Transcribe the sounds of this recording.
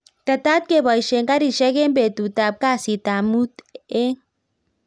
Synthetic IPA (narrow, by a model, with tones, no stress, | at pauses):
t̪a˨t̪a˦t̪̚ke˨ba˨i˨ʃe˨ŋka˦ɾi˨ʃɛ˦ke˦mbe˨t̪u˨t̪a˨p̚ka˦si˨t̪a˨mu˦t̪e˦